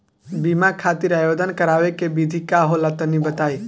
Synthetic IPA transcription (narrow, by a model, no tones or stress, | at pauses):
bimakʰat̪iɾajod̪ənkəɾaʋekebid̪ʱikaɦolət̪ənibət̪ai